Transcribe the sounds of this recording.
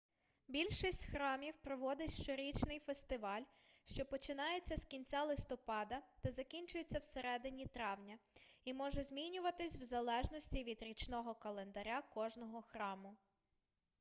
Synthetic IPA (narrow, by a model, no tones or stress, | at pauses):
bʲilʲʃisʲtʲxɾɑmʲiwpɾɔʋɔd̪ɪʃt͡ʃɔɾʲit͡ʃnɪjfest̪ɪʋɑlʲ | ʃt͡ʃɔpɔt͡ʃɪnɑjet͡sʲːɐskʲinʲt͡sʲalˠɪst̪ɔpɑd̪ɐd̪̥ɛzɐkʲinʲt͡ʃʊjet͡sʲːɐwseɾɛd̪ɪnʲit̪ɾɑwnʲɐimɔʒɛzʲmʲinʲʊʋɐt̪ɪsʲwzɐlˠɛʒnɔsʲtʲiʋʲid̪ɾʲit͡ʃnɔɦɔkɐlˠe̞nd̪ɐɾʲakɔʒnɔɦɔxɾɑmʊ